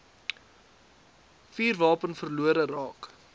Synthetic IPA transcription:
fiːrvɑːpənfərluəɾərɑːk

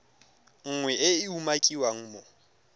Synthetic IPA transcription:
ŋ̩ŋwɛʔɪɪumakʼiwaŋ̩ːmɔ

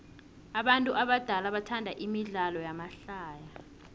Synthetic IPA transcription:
aɓantʼuʔaɓad̥ʱalaɓatʰandʱaʔimiɮalɔjamaɬaːja

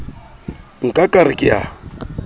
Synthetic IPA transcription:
ŋ̩kʼakʼarɪkʼɪja̰

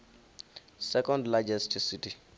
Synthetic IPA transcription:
sɛkɔ̃ndlad͡ʒɛstʰsiti

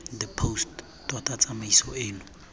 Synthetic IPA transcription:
d̪əpʰost | twatʼat͡samaisɔeːnʊ

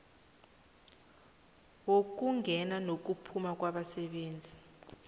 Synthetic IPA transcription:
wok̬uŋɡʱɛnanok̬upʰumak̬waɓasɛɓeːnd͡zʱi

